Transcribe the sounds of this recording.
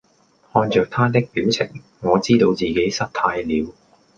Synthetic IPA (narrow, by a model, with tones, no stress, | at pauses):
hɔː˧nt͡ʃœː˨k̚t̪ʰaː˥t̪̬ɪ˥k̚piː˨˥wt͡sʰɪ̰˨˩ŋ | ŋɔː˨˧t͡siː˥t̪o˧wt͡siː˨ke˨˥jsɐ˥t̚t̪ʰaː˧jliː˨˧w